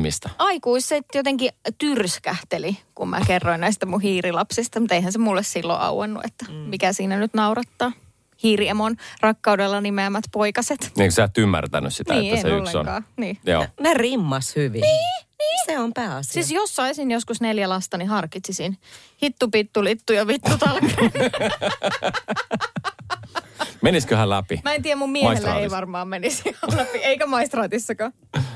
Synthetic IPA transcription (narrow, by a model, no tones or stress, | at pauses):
mḭst̪ɑɑikuisset̪jot̪eŋkit̪yrskæht̪elikummʔæ̰kerːoinnæist̪æmuhiːrilɑpsist̪ɑmut̪eihænsemulːessilːo̰ʔɑ̰wɑ̰nːṵʔḛt̪ːæmikæsiːnænyt̪nɑurɑt̪ːɑː | hiːriemonrɑkːɑudelːɑnimeæmːæt̪poikɑset̪niksæˑt̪ːymːæ̰rt̪æ̰nyssitnæiḛːæesnḛolːeo̰nkɑːniːjo̰ːnerimːɑshyʋinniːniːseompæːɑssisjosːɑisinjoskusneljælɑst̪ɑnihɑrkit̪sisinhit̪ːupit̪ːulit̪ːujɑʋit̪ːut̪ɑlkɑn | meniskøhælæpḭmæent̪iːæmummiɛɑiselːæɑ̰ːeiʋɑrmɑːmmenisɑlæpieikæmɑist̪rɑːt̪isːɑkɑ